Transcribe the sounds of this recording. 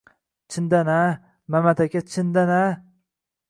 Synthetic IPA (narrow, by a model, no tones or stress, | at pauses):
t͡ʃʰɪnd̪ana | mamat̪ʰakʲat͡ʃʰɪnd̪ana